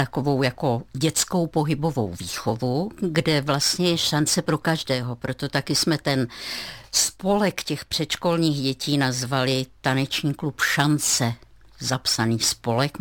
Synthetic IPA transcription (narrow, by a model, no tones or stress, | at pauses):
t̪ako̞vo̞wjako̞ɟɛt͡sko̞wpo̞ɦɪbo̞vo̞̰wviːxo̞vuɡdɛvlast̪ɲɛjɛʃant͡sɛpɾo̞kaʒdɛːɦo̞pɾo̞t̪o̞t̪akɪsmɛt̪ɛn | spo̞lɛkcɛxpr̝̥ɛt̪ʃko̞lɲiːɣɟɛciːnazvalɪt̪anɛt͡ʃɲiːklupʃant͡sɛ | zapsaniːspo̞lɛk